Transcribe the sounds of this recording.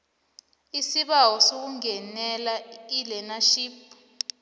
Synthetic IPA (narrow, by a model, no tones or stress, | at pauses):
isiɓawɔsok̬uŋɛnɛlailɛnaʃiːp